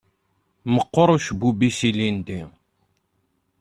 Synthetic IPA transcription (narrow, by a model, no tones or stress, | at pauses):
məqːoɾˤuʃbubisilind̪i